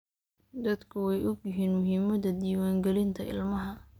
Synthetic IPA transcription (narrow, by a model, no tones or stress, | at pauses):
d̪ɐd̪kʰʊwɛjʔʊɡjɪɦiːnmʊɦiːmɐðɐd̪iːwaːŋɡɛlɪnt̪ʰɐʔɪ̰lmɐɦɐ